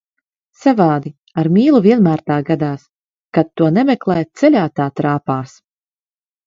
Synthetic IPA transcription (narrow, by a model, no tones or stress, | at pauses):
savaːd̪i | aɾmʲiːlˠuviɛnmæːɾt̪aːɡad̪aːs | kat̪ːuɔnɛmʲɛklˠɛjt̪sɛlʲaːt̪aːt̪ɾaːpaːs